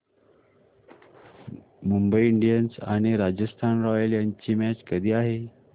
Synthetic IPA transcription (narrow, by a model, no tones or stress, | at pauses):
mumbəiiɳɖijənsa̰ɽ̃iɾad͡ʑəst̪ʰanɾɔʋjəljaɲt͡ɕiːmæt͡ɕkəd̪ʱiːaɦe